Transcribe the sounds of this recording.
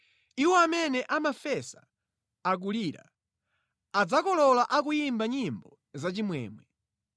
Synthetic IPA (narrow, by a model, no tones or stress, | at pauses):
iwɔamɛnɛʔamafɛsaː | k̬uliɾa̰ | ad͡zakɔlɔlaʔak̬ujimbaɲimbɔ | zat͡ʃimwɛ̰ːmwɛ